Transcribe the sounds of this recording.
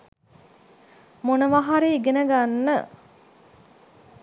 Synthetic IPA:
monəʋaɦaɾeːɡenəɡanːə

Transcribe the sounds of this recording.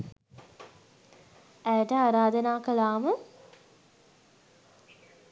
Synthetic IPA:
æjəʈəaːɾaːd̪ənaːkəlaːmə

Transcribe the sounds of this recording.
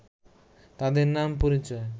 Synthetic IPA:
t̪ad̪eɾnampoɾit͡ɕɔe

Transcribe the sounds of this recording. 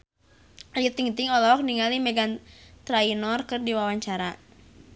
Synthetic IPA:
ajət̪iŋt̪ɪŋɔlɔɔk̚niŋalimɛɡant̪ɾainɔrkɨrdiwawaɲt͡ʃaɾa

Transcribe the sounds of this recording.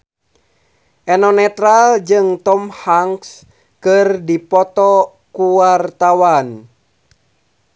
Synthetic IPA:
ʔɛnɔnɛt̪ɾald͡ʒɨŋt̪ɔmhaŋks | kɨrdipɔt̪ɔ | kuwart̪awan

